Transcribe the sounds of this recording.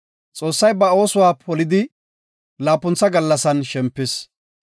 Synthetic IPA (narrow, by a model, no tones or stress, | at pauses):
t͡sʼo̞ːsːɐjbɐo̞ːsʊwaːpʰɔlɪd̪ɪ | laːpːʊnt͡sːɐɡɐlːɐsɐnʃɛmpːɪs